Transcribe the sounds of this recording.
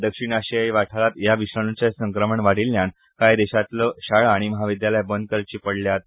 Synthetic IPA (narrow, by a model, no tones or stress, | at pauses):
d̪əkʂiɳaɕijajʋaʈʰalat̪jaʋiɕɾaɽ̃ut͡ɕasəŋkɾəməɳʋaɽ̤ilːjan | kajd̪eɕat̪ləɕaɭːɽ̃iməɦaʋid̪jaljabənd̪̚kəɾt͡ɕiːpəɽljat̪